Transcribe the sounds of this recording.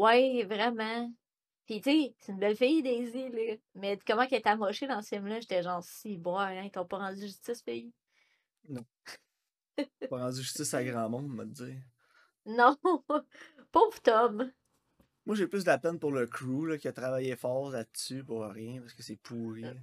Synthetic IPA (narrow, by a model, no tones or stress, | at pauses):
wɛvʁɛmã | pitt͡seseynbɛlfɪjd̪eːziləmɛkɔmãkʲɛt̪amɔʃed̪ɑ̃sfɪmlʌʒet̪ɛʒɑ̃ːʁsiboaɛ̃it̪ɔ̃pɔʁɑ̃dd͡zyʒyst̪ɪspei | nɔ̃ | pɔʁɑ̃d͡zzyʒyst͡sɪsaɡʁɑ̃ːmɔ̃ʊ̃d̪məd͡zɪːʁ | nɔ̃ | pɔvt̪ɔm | mwaʒeplʏsdlapɛnpʊʁləkʰʁuləkʲiat̪ʁavajefɑːʁlasypʊʁʁjɛ̃paskəsɛpʰuːʁi